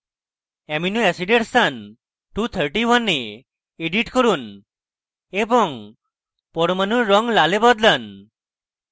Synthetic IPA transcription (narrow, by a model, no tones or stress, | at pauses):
eminuesiɖeʈsan | ʈut̪ʰəɾʈiwanːe | eɖiʈkɔɾun | ebɔŋ | pɔɾmanuɾɔŋlalebɔd̪lan